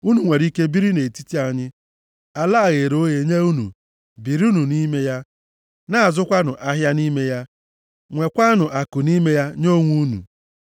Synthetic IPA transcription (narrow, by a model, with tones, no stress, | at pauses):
u˦nu˨ŋʷe˨ɾi˦ke˦bi˦ɾi˦ne˨ti˦ti˦a˨ɲɪ˦ | a˨la˦˨ɣe˨ɾo˦ɣe˨ɲe˦u˦nṵ˨ | bi˨ɾi˦u˦nu˨ni˦me˦ja˦ | na˦˨a˨zʊ˦kʷa˦nʊ˨ʔa˦ɦja˦ni˦me˦ja˦ | ŋʷe˨kʷa˦nʊ˨ʔa˨kʊ˨ni˦me˦ja˦ɲo˦ŋʷu˦nṵ˨